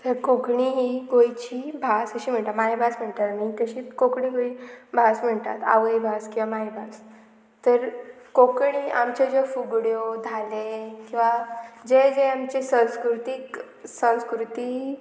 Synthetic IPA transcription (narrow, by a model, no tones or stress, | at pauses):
t̪əɾkokɳiɦiɡojt͡ɕiːbʱasəɕiːm̤əɳʈ̪amaɦibʱasm̤əɳt̪at̪mikəɕiːkokɳiɡoibʱasm̤əɳt̪a̰t̪a̰ʋəibʱaskĩw̃ʋamaɦibʱas | t̪əɾ | kokɳia̰mt͡ɕed͡zofuɡɽjod̪ʱalekĩw̃ʋad͡zed͡zeamt͡ɕisə̃nskɾut̪ik | sə̃nskɾut̪i